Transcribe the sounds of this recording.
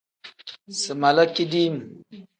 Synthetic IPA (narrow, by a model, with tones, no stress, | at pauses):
sɨ˨ma˨lə˦ki˦di˦m˨